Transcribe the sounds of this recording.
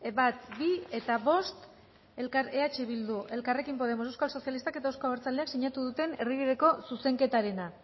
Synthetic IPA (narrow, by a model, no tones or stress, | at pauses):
bat̪bie̞t̪aβo̞st̪ | e̞lkaɾe̞at͡ʃeβild̪uʔe̞lkare̞kimpo̞ð̞e̞mosewskalso̞sjalist̪ake̞t̪aewskoβeɾt͡sald̪e̞aksiɲat̪uðut̪e̞ne̞riβið̞e̞ko̞suse̞ŋke̞t̪aɾe̞na